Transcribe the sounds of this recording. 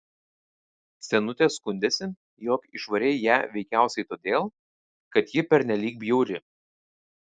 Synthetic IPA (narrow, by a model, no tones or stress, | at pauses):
sʲɛnʊt̪ʲeːskʊnʲd̪ʲeːsʲɪ | joːkɪʃʋɐɾʲɛɪjæːʋʲɛɪkʲæˑʊsʲɛɪt̪oːd̪ʲeːlˠ | kɐt̪jɪpʲɛɾʲnʲɛlʲiːk̚bʲjɛʊɾʲɪ